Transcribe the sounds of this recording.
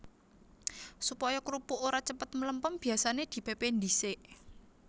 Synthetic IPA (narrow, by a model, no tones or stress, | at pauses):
supɔjakɾupuʔoɾat͡ʃəpət̪̚mələmpəmb̥i̤asaned̪̥i̤pepend̪iseʔ